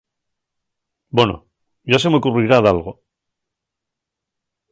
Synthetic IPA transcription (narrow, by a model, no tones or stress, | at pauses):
bono̰ | ɟ͡ʝos̬emeokuriɾaðalɣo̞